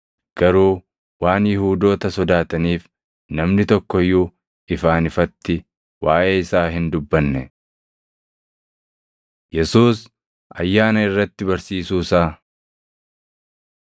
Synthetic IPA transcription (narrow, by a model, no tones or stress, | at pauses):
ɡ̥ɐɾuː | waːnjɪhuːd̪o̞ːt̪ɐsɔd̪aːt̪ɐniːf | nɐmnɪt̪ɔkːɔjːu | ɪfaːnɪfɐt̪ːɪ | waːʔeːɪsaːɦɪnd̪ʊbːɐnːɛ | jɛsuːs | ɐ̰jːaːnɐɪrːɐt̪ːɪbɐɾsiːsuːsaː